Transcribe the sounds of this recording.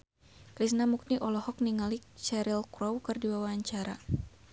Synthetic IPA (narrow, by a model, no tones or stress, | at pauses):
kɾisnamuk̚niʔɔlɔhɔk̚niŋalit͡ʃɛɾilkɾɔwkɨrdibawaːɲt͡ʃaɾa̰